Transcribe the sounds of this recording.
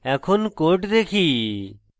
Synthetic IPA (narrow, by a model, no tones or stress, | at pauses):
ɛkʰonkoɾʈd̪ekʰi